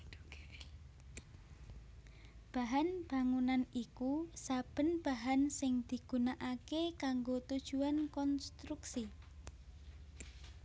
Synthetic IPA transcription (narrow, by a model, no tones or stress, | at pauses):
b̥a̤ɦanb̥a̤ŋunanikusab̥ə̤nb̥aɦansɪŋd̪̥i̤ɡ̥unaʔakekaŋɡot̪ud̥ʒ̥uankɔnst̪ɾuksi